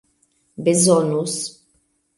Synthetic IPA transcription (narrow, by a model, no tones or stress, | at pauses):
bezɔnus